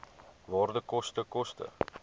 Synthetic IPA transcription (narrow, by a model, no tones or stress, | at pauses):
vɑːrdəkɔstəkɔstə̰